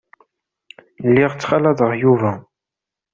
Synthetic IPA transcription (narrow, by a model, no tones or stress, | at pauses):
lːiʁt͡sːχalæðˤəʁjuvæ